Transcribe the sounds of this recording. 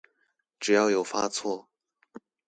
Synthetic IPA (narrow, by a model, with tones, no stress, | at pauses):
ʈ͡ʂɻ̩˨˩jɑ˥˩ʊjo˨˩ʊfa˥t͡sʰwɔ˥˩